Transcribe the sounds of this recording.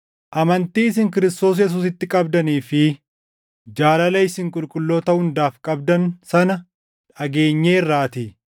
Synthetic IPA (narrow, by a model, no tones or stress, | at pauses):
ʔɐmɐnt̪iːɪs̬ɪŋkɪɾɪst̪o̞ːs̬jɛs̬uːsɪt̪ːɪkʼɐbd̪ɐniːfɪ | d͡ʒaːlɐlɐɪsɪŋkʼʊlkʼʊlːo̞ːt̪ɐhʊnd̪aːfkʼɐb̚d̪ɐnsɐnɐ | ᶑɐɡe̞ːɲːeːɪrːaːt̪i